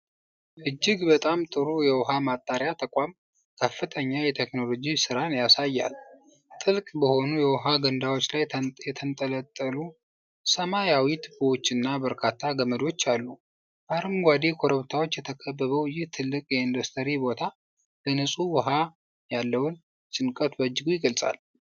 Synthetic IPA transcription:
ʔɨd͡ʒːɪɡbət̪ʼamt̪ʼɨɾujɛwɔɦamat̪ʼːaɾjat̪ʰəkʼam | kʰəfːɨt̪ʰəɲːajɛt̪ʰekno̞lo̞d͡ʒisɨɾanjasajːa̰l | t̪ʼɨlkʼbəho̞nujɛwɔɦaɡənd̪awo̞t͡ʃːlajjɛt̪ʰənt̪ʼələt̪ʼːəlu | səmajawit̪ʰbwot͡ʃːɨnːabəɾkʰat̪ʰːaɡəməd̪o̞t͡ʃːalːu | baɾɨmɡʷad̪ekʰo̞ɾəβt̪ʰawo̞t͡ʃːjɛt̪ʰəkʰəbːəβəwjɪht̪ʰɨlːɨkʼjɛɨnd̪ost̪ʰəɾibo̞t̪ʰa | bənɨsʼuwɔɦa | jalːəwʊn | t͡ʃʼɨnkʼət̪bəd͡ʒːɨɡujɪɡəlsʼa̰l

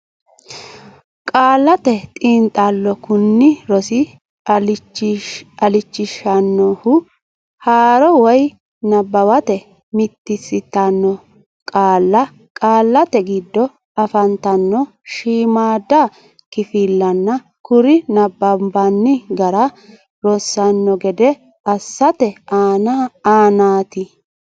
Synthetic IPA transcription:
kʼaːlːɐt̪ɛt̪ʼiːnt̪ʼalːɔkʊnːɪɾɔsɪ | ɐlɪt͡ʃːɪʃɐnːɔhʊ | haːɾɔwɔj | nɐbːɐwɐt̪ɛ | mɪt̪ːɪsɪt̪ːanːɔ | kʼaːlːɐ | kʼaːlːɐt̪ɛɡɪd̪ːɔ | ɐfɐnt̪ɐnːɔ | ʃiːmaːd̪ːa | kɪfilːɐnːɐ | kʊɾɪnɐbːɐmbɐnːɪɡɐɾɐ | ɾɔsːɐnːɔɡɛd̪ɛ | ɐsːɐt̪ɛaːnaaːnaːt̪ɪ

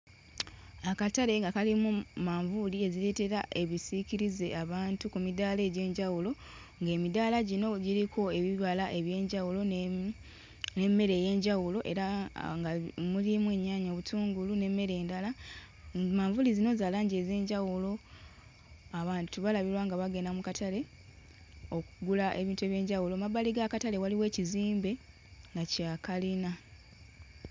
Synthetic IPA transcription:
akataɾe̞ŋɡakalimumaɱvulie̞ziɾe̞ːte̞ɾaʔe̞βisikiɾize̞ʔaβaːntukumidaːle̞ːɟe̞ːɲɟawulo̞ | ŋɡe̞ːmidaːlaɟino̞ɟiɾiko̞e̞βiβalaʔe̞βje̞ːɲɟawulo̞ | ne̞mːe̞ɾe̞je̞ːɲɟawulo̞ʔe̞ɾaŋɡamulimwe̞ːɲːaːɲoːβutuːŋɡulune̞mːe̞ɾe̞ːndala | maːɱvulizino̞zaːlaːɲɟeze̞ːɲɟawulo̞ | aβaːntuβalaβiɾwaːŋɡaβaɡe̞namukatale̞ | o̞kuɡulaʔe̞βiːntue̞ːβje̞ːɲɟawulo̞mabaliɡakatale̞waliwe̞ːciziːmbe̞ | ŋɡacaːkalina

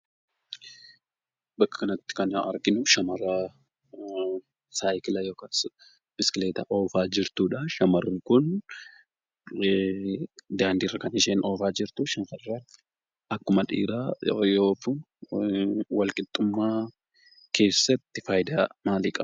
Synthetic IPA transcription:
bɐkːɐ̥kɐnɐt̪ːɪ̥kɐnɐɐ̰ɾɡɪnʊʃɐmɐra | saːjkɪlɐjo̞ːkaːs | b̥ɪsɪ̥kɪleːt̪ɐʔo̞ːfaːd͡ʒɪɾt̪uːᶑɐʃɐmɐrːɪkʊn | d̪aːnd̪irːɐkɐnɪʃeːno̞ːfaːd͡ʒɪɾt̪ʊʃɐŋkɐrːɐn | ɐkːʊmɐᶑḭːɾaːjoːkun | wɐlkʼɪt̪ʼːʊmːaː | kʰe̞ːsːɐt̪ːɪfaːjd̪aːmaːliːkʼɐb

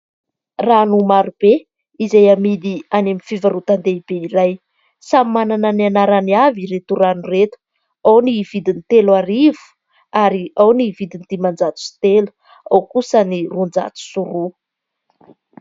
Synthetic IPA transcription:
ranumaɾub̥e | izajamid̪ianemifivaɾut̪and̪eibeiɾaj | samimanananianaɾaniaviɾet̪uɾanuret̪u̥ | awniv̥id̪init̪elaɾivu̥ | aɾiawnivid̪int̪imand͡zat̪u̥si̥t̪elu̥ | awkusənirund͡za̰t͡s̪u̥suɾu

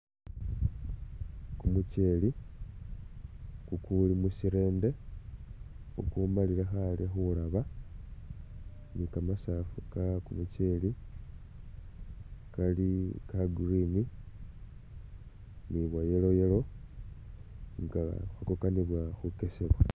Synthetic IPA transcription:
kumuce̞ːli | kukulimusiɾe̞ːnde̞ | o̰kumalilexalixulaβa | nikamasafukakumuce̞ːli | kalikaɡrini | niβwajelo̞jelo̞ | ŋɡa̰xakokaniβwaxuke̞seβwa

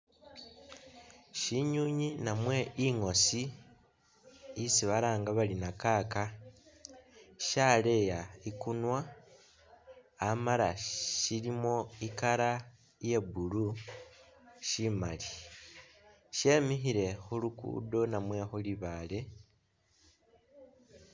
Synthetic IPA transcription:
ʃiɲuɲinamwe̞iŋo̞si | isiβalaːŋɡaβalinakaka | ʃale̞jaikunwa | maɾaʃilimo̞ikaɾa | je̞bulu | ʃimali | ʃe̞mixiɾe̞xulukṵdo̞namwe̞xuliβale̞

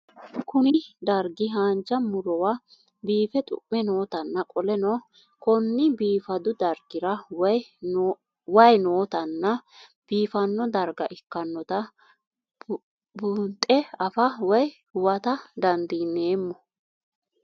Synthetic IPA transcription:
kʊnɪd̪ɐɾɡɪɦaːnt͡ʃːɐmʊɾɔwɐ | biːfɛt̪ʼʊ̰ʔːɛno̞ːt̪ɐnːɐkʼɔlɛnɔ | kɔnːɪbiːfɐd̪ʊd̪ɐɾɡɪɾɐw | wɐjnoːt̪ɐnːɐ | b̥iːfɐnːɔd̪ɐɾɡɐʔɪkːɐnːɔt̪ɐ | bʊnt̪ʼːɛɐfɐwɐj | hʊwɐt̪ɐd̪ɐnd̪iːnːe̞ːmːɔ

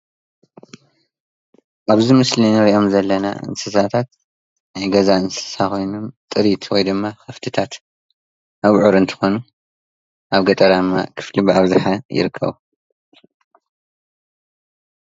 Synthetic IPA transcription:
ʔaβzimɨslinɨɾiʔo̞mzɐlːɐna̰ʔɨ̰nsɨsat̪ʰat̪ | najɡɐzaɨnsɨ̥sakʰo̞jno̞mt̪ʼɨɾit̪ʰwojd̪ɨmːaxɐft̪ʰɨt̪ʰat̪ | ʔaβʕuɾɨnt̪ʰɨ̥xo̞nu | ʔaβɡɐt̪ʼɐɾad̪mːa̰kʰɨ̥flibɨaβzɨħajɪ̰ɾɨkʰːɐ̰βu

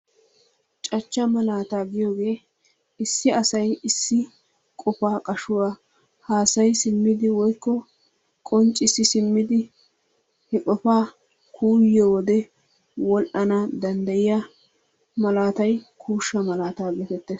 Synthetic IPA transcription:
t͡ʃʼɐt͡ʃːɐmɐlaːt̪aːɡɪjo̞ːɡe̞ː | ɪsːɪɐsɐjɪsːɪ | kʼɔfaːkʼɐʃʊwaː | haːsɐjsɪmːɪd̪ɪwɔjkːɔ | kʼɔnt͡ʃʼːɪsɪsɪmːɪd̪ɪ | hɛkʼɔfaː | kʰuːjːoːwɔd̪ɛ | wɔlʔɐnɐd̪ɐnd̪ɐjɪjɐ | mɐlaːt̪ɐjkʰuːʃːɐmɐlaːt̪aːɡɛt̪ɛt̪ːes

